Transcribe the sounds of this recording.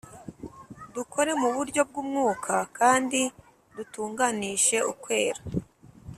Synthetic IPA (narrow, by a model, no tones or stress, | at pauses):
dukʰo̞ɾe̞muβuɾɟo̞b̚ɡuːmŋuːkʰakʰaːndi | dutuːŋɡaniʃe̞ukwe̞ːɾa